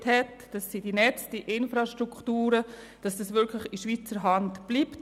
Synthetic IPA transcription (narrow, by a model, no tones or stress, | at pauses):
thɛt | d̥ɑsːid̥inɛt͡sd̥iʔɪnfɾaʃtɾuktuːɾə | d̥ɑsd̥ɑsʋɪkʰlɪχiʃviːt͡səɾɦɑntb̥liːpt